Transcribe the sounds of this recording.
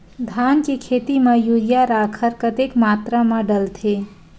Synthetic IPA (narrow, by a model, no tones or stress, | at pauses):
d̪ʱaːnkekʰeːt̪imẽjuljaɾaːkʰəɾkət̪ekmaːt̪ɾamãɖəlt̪ʰe